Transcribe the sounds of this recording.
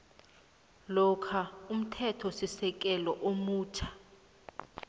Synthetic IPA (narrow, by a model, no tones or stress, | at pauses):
lɔkʰaum̩tʰɛtʰɔsisɛk̬ʼɛlɔʔomuːt͡ʃʰḁ